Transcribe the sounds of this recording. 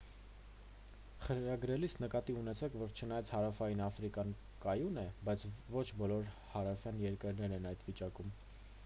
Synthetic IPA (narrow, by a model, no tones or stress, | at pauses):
χəɾɑɡɾɛlisnəkɑt̪iunɛt͡sʰɛkʰvɔɾt͡ʃʰənɑjɑt͡sʰhɑɾɑfɑjinɑfɾikɑn | kɑjunɛbɑjt͡sʰvɔt͡ʃʰbɔlɔɾ | hɑɾɑfjɑnjɛɾkəɾnɛɾɛnɑjt̪vit͡ʃɑkum